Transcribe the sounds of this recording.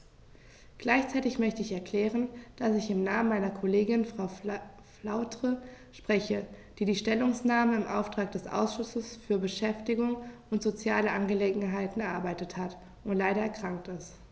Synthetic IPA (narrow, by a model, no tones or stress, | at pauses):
ɡ̥laɪçt͡saɪtɪçmœçtəɪçɛɐkʰl̥ɛːʁ̞ənd̥asɪçɪmnaːmənmaɪnɐkʰoleːɡɪnfʁ̥aʊ | flaʊtʁ̥ə | ʃpʁ̥ɛçə | d̥iːdiːʃtɛlʊŋsnaːməɪmʔaʊftʁ̥aːk̚d̥ɛsʔa̰ʊsʃʊsəsfyːɐbəʃɛftɪɡʊŋʊntz̥ot͡sjaːləʔanɡəleːɡŋ̩ɦaɪtn̩ɛɐʔa̰ɐbaɪtəthat | ʊntlaɪɾɐɛɐkʁ̥aŋk̚tɪst